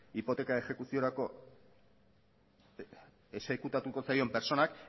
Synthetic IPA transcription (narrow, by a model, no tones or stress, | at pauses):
ipo̞t̪e̞kae̞xe̞kusio̞ɾako̞ | esekut̪at̪uko̞sajo̞mpe̞ɾt͡so̞nak